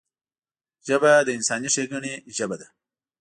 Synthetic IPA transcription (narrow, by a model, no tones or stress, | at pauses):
ʒabad̪əɪnsɑːniʂeɡəɳeʒabad̪a